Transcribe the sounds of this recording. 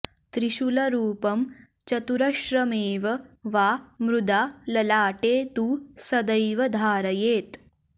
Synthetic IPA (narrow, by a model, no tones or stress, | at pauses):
t̪ɾiɕulɐɾuːpɐm | t͡ʃɐt̪uɾɐʃɾɐmeːʋɐʋaːmɾud̪ʱaːlɐlaːʈeːt̪uːsɐd̪ɐjʋɐd̪ʱaːɾɐjeːt̪